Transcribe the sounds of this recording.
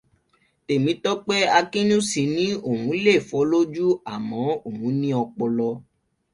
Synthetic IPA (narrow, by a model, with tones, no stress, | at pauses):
te˨mĩ˨˦tɔ˦k͡pe˦a˧kĩ˦nũ˦si˧˦nĩ˦o˦˨hũ˨˦le˦˨fɔ˨˦lo˦d͡ʒu˦a˦˨mɔ̃˨˦o˦˨hũ˨˦nĩ˦ɔ˧k͡pɔ˧lɔ˧